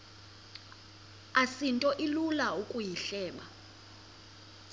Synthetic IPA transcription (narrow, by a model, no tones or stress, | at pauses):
asintʼɔʔilulaukʼujiɬɛːɓa